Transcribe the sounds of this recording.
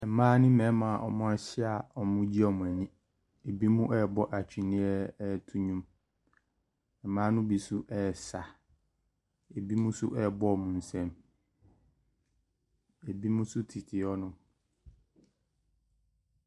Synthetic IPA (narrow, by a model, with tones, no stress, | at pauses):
ɛ˨˦mãː˦nɪ̃˦mɛ̃˨˦mã˨ʔɔ̰˨mʊ̃˦a˦ɕɪ˦a˨ɔ˦mʊ̃˦d͡ʑi˦ɔ˦˨mʊ̃˨æ˨ɲĩ˦ | e˨bi˦mũ˦ʔɛ˦˨bɔ˦ʔa˨t͡ɕᶣʰi˨nĩ˦ɛ˦˨tʰu˦ɲũ˦m | ɛ˨mãː˦nʊ̃˦bi˨sʊ˦ʔɛ˦˨sa˨ | e˨bi˦mũ˦sʊ̰˦ʔɛ˦˨bɔ˦ɔ˨mʊ̃˨n̩˨sɛ̃˦m | e˨bi˦mũ˦sʊ˦tʰi˨tʰɪ˨ɔ˦nʊ̃˨